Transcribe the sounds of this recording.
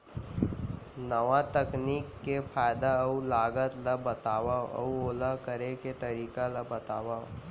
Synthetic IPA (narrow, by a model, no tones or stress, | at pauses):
nəʋat̪əkniːkːefʰaːɪd̪aulaːɡət̪labɐt̪aːʋaɔ̰uoːlakəɾeket̪ɐɾiːkalabət̪a̰ːʋa